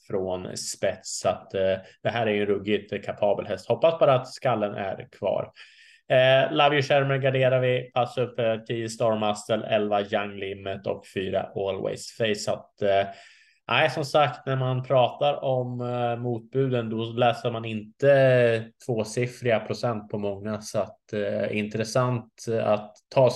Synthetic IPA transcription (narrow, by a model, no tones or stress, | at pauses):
fɾonspɛt̪sat̪d̪̥ɛɦæːɾæɾjɵɛnɾɵɡɪkʰapʰɑːbəlɦɛst̪hɔpːasbɑːɾaːt̪skalːənʔæ̰ɾkʰvɑ̰ːɾ | lavjɵʂæɾməɾɡaɖeːɾaɾvɪpʰasːɵpːəʈʰiːəst̪ɑɾmast̪əlɛ̰lvajaŋːlɪmːət̪ɔ̰kfyːɾa̰ʔolwɛ̰ɪsfɛɪsat̪ | ʔæɪsɔmsakt̪næɾmanpʰɾɑːt̪aɾɔmːuːt̪̚bʉ̟ːd̪ənd̪ɔlɛːsəɾmanɪnt̪ət̪ʰv̥oːsɪfɾɪapʰɾʊsɛnt̪̚pʰɔmɔŋːasɔat̪ɛ̰ɪnt̪ɾəsant̪a̰t̪ʰːɑː